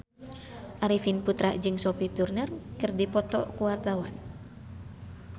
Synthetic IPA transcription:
ʔaɾifinput̪ɾaʔd͡ʒɨŋsɔpit̪urnərkɨrdipɔt̪ɔ̰kuwart̪awan

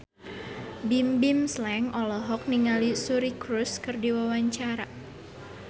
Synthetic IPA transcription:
bimbimslɛŋɔlɔɦɔk̚niŋalisuɾikɾuskɨrdiwawaɲt͡ʃaɾa

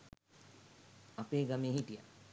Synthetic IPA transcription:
apeːɡameeɦiʈija̰

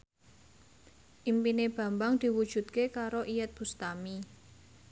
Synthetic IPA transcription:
ʔimpineb̥ä̤mbaŋd̪̥i̤wud̥ʒ̥ṳt̪̚kekaɾoʔijət̪̚b̥ṳst̪ami

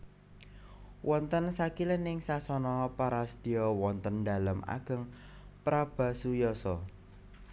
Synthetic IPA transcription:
wʔɔnt̪ənsakilənɪŋsasɔnɔpaɾasd̪̥i̤ɔwɔnt̪ənd̪a̤ləma̰ɡ̥ə̤ŋ | pɾab̥ä̤sujɔsɔ

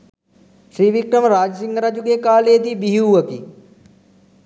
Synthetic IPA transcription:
ʃɾiːʋikɾəmɾaːd͡ʒsiŋɡəɾad͡ʒuɡeːkaːleːd̪iːbiɦuːɐki

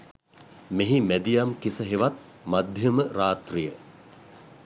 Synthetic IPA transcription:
meɦimæd̪ijamkisəɦeʋat̪̚ | mad̪ʱjəməraːt̪rijə

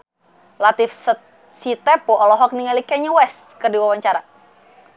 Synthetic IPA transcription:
lat̪ifs | sit̪ɛpɔʔɔlɔɦɔk̚niŋalikɛɲuwɛs | kɨrdiwawaɲt͡ʃaɾa

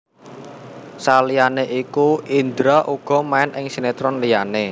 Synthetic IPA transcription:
salijaneʔikuind̪ɾaʔuɡ̥ɔ̤maɪnʔɪŋsinet̪ɾɔnlijane

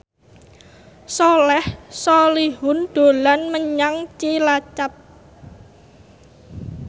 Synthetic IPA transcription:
sɔlɛhsɔliɦʊnd̪̥o̤lanməɲaŋt͡ʃilat͡ʃap̚

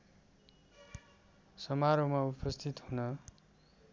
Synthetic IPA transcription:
sʌmaɾomaupʌst̪ʰit̪hunʌ

